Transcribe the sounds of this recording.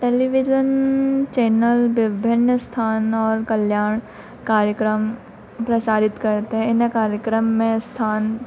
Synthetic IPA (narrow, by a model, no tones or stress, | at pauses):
ʈeːliʋɪd͡ʒənt͡ʃeːnəlʋɪbʱɪnːəst̪ʰaːnɔːɾkɐljaːɳ̃ | kaːɾjəkɾəm | pɾɐsaːɾɪt̪kɐɾt̪eɦɛ̃ɪnəkaːɾjəkɾəmːẽst̪ʰaːn